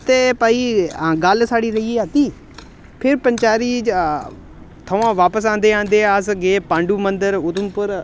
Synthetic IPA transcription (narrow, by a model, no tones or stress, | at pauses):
t̪eːpəːiːɡəlsaːɽiːɾəiːeːaːt̪iː | pʰɪɾpəɲt͡ʃaːɾiː | t̪ʰəʋãːʋaːpəs̬ãːnd̪eːãːnd̪eːəsɡeːpãːɳɖuːmənd̪əɾʊt̪ʊmpəɾ